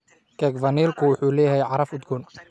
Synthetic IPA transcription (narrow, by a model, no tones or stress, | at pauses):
kʰɛːkvɐniːlkʰʊwʊħuːlɛːjɦɛjʕɑɾɐfʊd̪ɡʊːn